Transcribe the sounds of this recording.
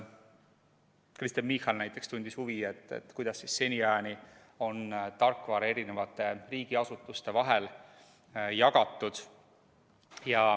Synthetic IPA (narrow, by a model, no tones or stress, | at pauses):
krist̪enmihɑlnæjt̪ːˑe̞kst̪unʲd̪̥ishuvie̞t̪ːˑḛt̪ːˑkujd̪̥ɑsːisːe̞nʲiɑni | o̞nt̪ɑrkːˑvɑɾe̞ɾine̞vɑt̪ːˑe̞riːɡ̥iɑsut̪ːˑust̪e̞vɑɦe̞l | jɑɡɑt̪ːˑud̪̥ | jɑ